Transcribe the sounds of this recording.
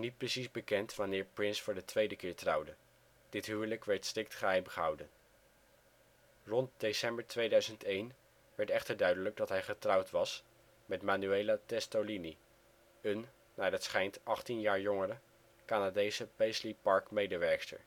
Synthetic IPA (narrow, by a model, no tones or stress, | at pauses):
nit̚prəsizbəkɛntʋɑnɪːɹprɪnsfʊːɹdətʋejdəkɪːɹtrʌwdə | d̥ɪtɦywələkʋɛɹtstrɪk̚tχəɦɛjmχəɦʌwdən | rɔnt̚desɛmbəɹtʋejdœɥzəntejn | ʋɛɹtɛχtəɹdœɥdələɡ̚dɑtɦɛjχətrɑwtʋɑs | mɛtmaːnyejlatɛstolini | ənː | aːdətsχɛjntɑχtinjaːɹjɔŋərə | kaːnadejsəpɛjslipɑɹkmejdəʋɛɹkstə̰ɹ